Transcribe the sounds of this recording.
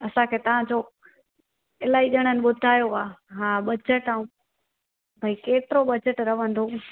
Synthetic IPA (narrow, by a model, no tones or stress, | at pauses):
ɐsãkʰeːt̪ɐʋ̤ãd͡ʑoː | ɪlaːiɗəɽ̃ənɪ̆ɓʊd̪ʱaːjoʋaːɦãːɓɐd͡ʑəʈaːũ | bʱɐikeːt̪ɪɾoɓɐd͡ʑəʈɾɐʋ̤ə̃nd̪oː